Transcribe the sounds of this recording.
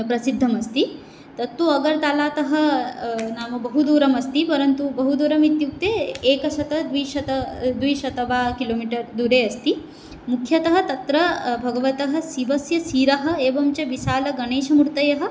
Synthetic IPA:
pɾɐsid̪ʱːɐmɐst̪i | t̪ɐt̪ːuɐɡɐɾt̪aːlaːt̪ɐɦɐ̆ | naːmɐbɐɦud̪uːɾɐmɐst̪ipɐɾɐnt̪ubɐɦud̪uːɾɐmit̪juk̚t̪eːeːkɐʃɐt̪ɐd̪ʋiːʃɐt̪ɐd̪ʋiːʃɐt̪ɐbaːkiloːmiʈɐɾd̪uːɾeːɐst̪i | mukʰjɐt̪ɐɦɐ̆t̪ɐt̪ɾɐbʱɐɡɐʋɐt̪ɐɦɐ̆siʋɐsjɐsiːɾɐɦɐ̆eːʋɐmt͡ʃɐʋiʃaːlɐɡɐneːʃɐmuɾt̪ɐjɐɦɐ̆

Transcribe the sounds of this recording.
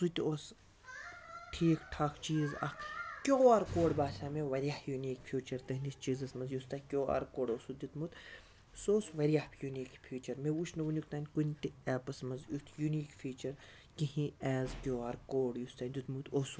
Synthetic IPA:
sut̪ʲoːs | ʈʰiːkʈʰakt͡ʃiːzɐ̰kʰkʲoːaːɾkoːɽbaːsaːmeʋɐɾijahjunʲiːkfʰʲjuːt͡ʃɐɾt̪ɐɦnʲist͡ʃiːzɐsmɐnzjust̪ɐkʲoːa̰ɾkoːɽoːsud̪ut̪mut̪ | soːsʋɐɾʲjahjuniːkfʰiːt͡ʃɐɾmeut͡ʃʰnɐʋunʲukt̪aːnʲkunʲt̪iɛːpɐsmɐnzjut̪ʰjuniːkfʰiːt͡ʃɐɾ | kiɦĩɛːzkʲoːaːɾkoːɽjust̪ɐd̪ut̪mut̪oːs

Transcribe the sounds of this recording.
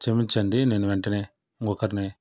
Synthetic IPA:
t͡ʃemit͡ʃːɐnd̪ineːnuʋeɳʈɐne | ŋɡokːɐɾne

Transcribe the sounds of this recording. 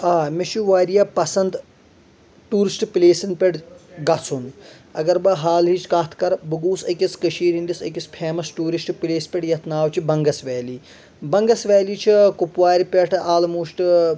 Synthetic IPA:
aːmeʃuʋaːɾijaːpɐsɐnd̪ | ʈuːɾisʈpileːsɐnpʲeʈʰɡɐt͡sʰun | ɐ̰ɡɐɾbɐɦaːlɦiːt͡ʃkaːt̪ʰkɐɾbɐɡuːsɐkiskəʃiːɾind̪isɐ̰kʲispʰeːmɐsʈuːɾisʈpileːspʲeʈjɐt̪ʰnaːwt͡ʃʰibɐŋɡɐsʋɛːliː | bɐŋɡɐsʋɛːliːt͡ʃʰikupʋaːɾʲpʲeʈʰaːlmuːʃʈ

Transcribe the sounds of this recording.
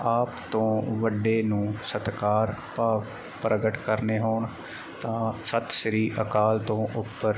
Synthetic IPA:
aːpt̪õːʋəɖːeːnũːsət̪kaːɾpaːʋ | pɾʔəɡəʈkəɾneːɦoːɳ | t̪ãːsət̪ʃɾiːʔəkaːlt̪õːʔʊpːəɾ

